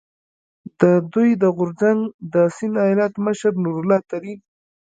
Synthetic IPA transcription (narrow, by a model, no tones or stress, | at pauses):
d̪̥əd̪ujd̪əɣʊɾzaŋɡd̪əsɪnɑjɑlat̪məʃaɾnuɾlɑt̪aɾi